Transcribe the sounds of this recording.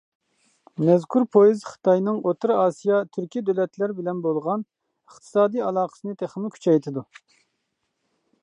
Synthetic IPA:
mɛzkʲʰuɾpʰojizχɨ̥t̪ʰɑjnɨŋot̪ʰɨɾɑːsijɑt̪ʰyɾkʲid̪ølɛt̪ʰlæɾbɪlɛnbolˠʁɑn | əχt̪ʰɨ̥sɑːd̪ijɑlˠɑːqə̥sɨnɨt̪ʰeχəmɪkʲʰy̥t͡ʃʰɛjt̪ʰɨd̪u

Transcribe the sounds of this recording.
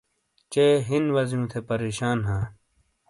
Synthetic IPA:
t͡ɕeːɦinwɐzjũːt̪ʰepɐɾeːɕaːnɦãː

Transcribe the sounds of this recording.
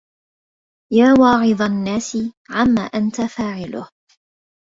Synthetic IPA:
jaːwɑːʕɨðˤanːaːsɪʕamːaːʔant̪afaːʕɪlʊ̰h

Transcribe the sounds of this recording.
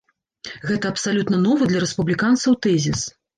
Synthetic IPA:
ɣɛt̪ɐɐpsalʲut̪nɐnɔvɨd̪lʲɐɾɛspublʲikant̪sɐwt̪ɛzʲis

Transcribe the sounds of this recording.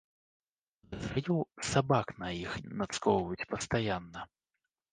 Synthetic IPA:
zajuwsabaknɐjixnɐt̪skɔwvɐjut͡sʲpɐst̪ajanːɐ

